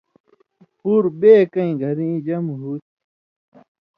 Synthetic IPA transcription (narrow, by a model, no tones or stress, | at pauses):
puɾbeːkɐĩɡʱɐɾĩd͡ʑɐmɦut̪̚